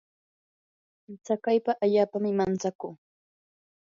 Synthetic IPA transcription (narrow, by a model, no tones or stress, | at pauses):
t͡sakajpaʔaʎaːpamɪmant͡sakuː